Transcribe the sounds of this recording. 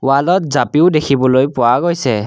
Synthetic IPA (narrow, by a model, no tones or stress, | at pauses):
walɔt̚zapiʊdekʰibɔlojpʊwaɡojsɛ